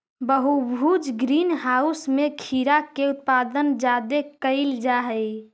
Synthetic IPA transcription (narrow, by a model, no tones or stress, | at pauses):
bəɦubʱud͡ʒɡɾiːnɦausmẽkʰiɾakeʊt̪̚pad̪ənd͡ʒad̪ekəɪld͡ʒaɦəj